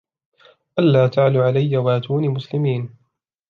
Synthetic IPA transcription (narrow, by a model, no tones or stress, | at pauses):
ʔalːaːt̪aʕluʕalajːawaːt̪uːnimʊslɪmiːn